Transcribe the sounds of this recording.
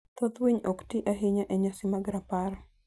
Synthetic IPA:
t̪ot̪wiɲoktiʔaɦɪɲaʔɛɲasɪmaɡɾapaɾ

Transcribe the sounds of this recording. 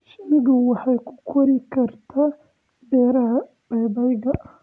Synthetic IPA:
ʃɐnɪɣʊwɑħɑjkʰʊ̥kʰɔɾɪkʰɐrt̪ʰaː | dɛːɾɐɦɐ | b̥ɛːdɐjɣɐ

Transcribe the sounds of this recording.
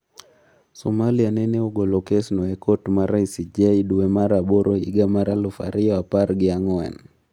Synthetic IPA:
sɔmalianɛnɛuɡɔlɔkɛsnɔɛkɔtmaɾaisid͡ʒaiɗuwɛmaɾaɓɔɾɔḭɡamaɾalufa̰ɾiaapaɾɡiaŋɔɛ̰n

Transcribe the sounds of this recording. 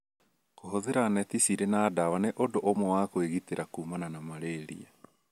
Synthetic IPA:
koɦoðeɾanɛtisiɾenaːdawaneʔodoʔomɔwakoeɣiteɾakuːmananamaɾeɾḭa

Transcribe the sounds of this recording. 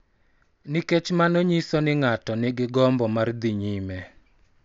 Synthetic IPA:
niket͡ʃmanoɲisɔnɪŋatɔnɪɡɪɡɔmbɔmard̪iɲimɛ

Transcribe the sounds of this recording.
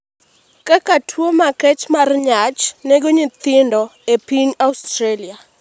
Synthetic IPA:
kakatʰwomakɛt͡ʃmarɲat͡ʃnɛɡoɲit̪ɪndɔepiɲaustɾelia

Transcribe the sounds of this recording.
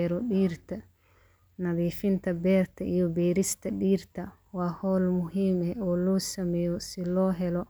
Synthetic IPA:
ɾɔɗiːɾt̪ʰɐ | nɐðiːfɪnt̪ʰɐbɛːrt̪ʰɐʔijɔbɛːɾɪst̪ʰɐɗiːɾt̪ʰɐ | waːhɔːlmʊɦiːmɛɔːlɔːsɐmɛjɔsɪlɔːɦɛlɔ

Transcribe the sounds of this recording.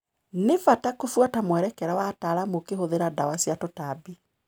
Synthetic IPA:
nefatakofwatamwɛɾɛkɛɾawataɾamokeɦoðeɾadawasiatotabi

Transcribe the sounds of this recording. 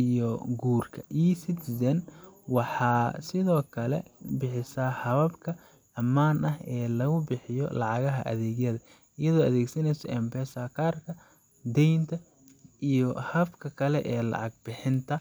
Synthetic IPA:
ijɔɡuːrkʰɐʔiːsɪt̪ʰɪsɛnwɑħɑːsɪðɔːkʰɐlɛ̰bɪħɪsɐhɐβɐbkʰɐ | ɐmaːnʔɐɦɛːlɐɣʊbɪħɪjɔ̰lɑʕɑɣɐɦɐ̰ʔɐ̰ðɛːɣjɐðɐ | ɪjɐðɔːɐðɛːɡsɐnɛjsɔʔɛmpɛːsakʰaːrkʰɐ | d̪ɛjnt̪ʰɐ | ʔijɔhɐbkʰɐkʰɐlɛ̰ʔɛːlɑ̰ʕɑɡ̚bɪħɪnt̪ʰɐ

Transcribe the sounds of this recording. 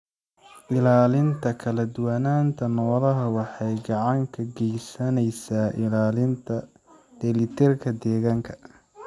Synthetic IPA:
ʔɪlaːlɪnt̪ʰɐkʰɐlɐd̪ʊwɐnaːnt̪ʰɐnɔːlɐɦɐwɑħɑjɡɑʕɑŋkʰɐɡɛjsɐnɛjsaːʔɪlaːlɪnt̪ʰɐ | d̪̥ɛlɪt̪ʰɛrkʰɐd̪ɛːɣaːŋkʰɐ̥

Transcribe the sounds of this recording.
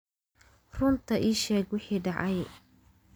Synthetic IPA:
rʊnt̪ʰɐʔiːʃɛːɡwɪħiːɖɑʕɑj

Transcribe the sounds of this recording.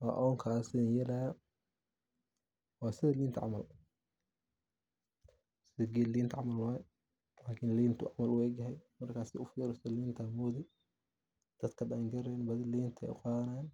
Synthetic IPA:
wa̰ːʔɔːŋkʰaːsɪnjɛlɐja | waːsɪðɐliːnt̪ʰʕɑ̰mɐl | sɪɡɛliːnt̪ʰʕɑmɐlwaːj | laːkʰɪnliːnt̪ʰʊʕɑmɐlʊɛɡɐɦɛjmɐrkʰaːsɪʊfiɾɔsliːnt̪ʰamɔːðɪ | d̪̥ɐd̪kʰɐdaːŋɡɐɾɛnbɐðɪliːnt̪ʰɛ̰qɑːðɐnajan

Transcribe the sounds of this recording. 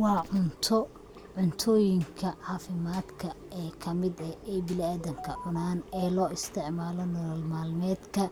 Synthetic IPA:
wɑːʕʊnt̪ʰɔ | ʕʊnt̪ʰɔːjɪŋkʰɐʕɑːfɪmaːd̪kʰɐɛːkʰɐmɪd̪ɐɛjbɪlɪaːðɐŋkʰɐʕʊnaːnɛːlɔːɪst̪ʰɪʕmaːlɔnɔlɐlmaːlmɛːd̪kʰɐ

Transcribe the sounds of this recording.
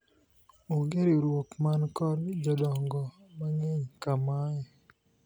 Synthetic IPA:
uɡeɾiɾwokmankɔld͡ʒɔdɔŋɡɔmaŋeɲkamajɛ

